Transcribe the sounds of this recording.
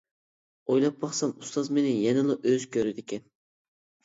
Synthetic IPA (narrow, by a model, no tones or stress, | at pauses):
ojlˠɑp̚bɑχsɑmust̪ɑzmenɪjɛnɪlˠɑʔøzkʲʰøɾɪd̪ɪkʲʰɛn